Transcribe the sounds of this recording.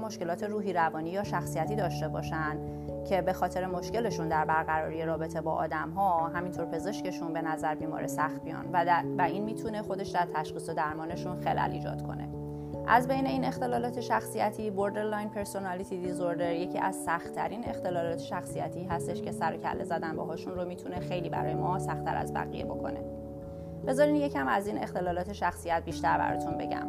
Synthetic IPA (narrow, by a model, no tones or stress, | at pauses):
mo̞ʃke̞lɒːt̪ʰe̞ɾuːɦiːɾævɒːniːjɒːʃæxsijæt̪ʰiːd̪ɒːʃt̪e̞bɒːʃænd̪̥ | cʰe̞be̞xɒːt̪ʰe̞ɾemo̞ʃce̞le̞ʃund̪æɾbæɾɣæɾɒːɾijeɾɒːbe̞t̪ʰe̞bɒ̰ːʔɒ̰ːd̪æmɦɒːɦæmint̪ʰo̞ɾpʰe̞ze̞ʃce̞ʃunbe̞næzæɾbiːmɒ̰ːɾʔesæxt̪̚bijɒ̰nvvæʔinmiːt̪ʰunexo̞d̪e̞ʃd̪æɾt̪ʰæʃχiːso̞d̪æɾmɒːne̞ʃunxelʔæ̰lḭːd͡ʒɒ̰ːd̪̥kʰo̞̰ne̞̰ | ʔæzbe̞jne̞iːne̞xt̪e̞lɒːlɒːt̪ʰe̞ʃæxsijæt̪ʰiːboɾd̪eɾlɒjnpʰe̞ɾso̞nɒlit̪ʰid̪izoɾd̪e̞ɾje̞cʰiːʔæz̥sæxt̪ʰæɾiːne̞xt̪e̞lɒːlɒːt̪ʰeʃæxsijæt̪ʰiːɦæst̪e̞ʃce̞sæɾocʰæ̰lːʔe̞zæd̪ænbɒ̰ɦɒːʃunɾomiːt̪ʰunexe̞jliːbæ̰ɾɒ̰ːjemɒːsæxt̪ʰæ̰ɾæ̰zbæ̰ɣḭje̞̰bo̞̰kʰo̞̰ne̞̰ | b̥e̞zɒːɾinje̞cʰæmæziːne̞xt̪e̞lɒːlɒːt̪ʰe̞ʃæxsijæt̪̚biːʃt̪æɾbæ̰ɾɒ̰ːt̪ʰunbe̞̰ɟæ̰m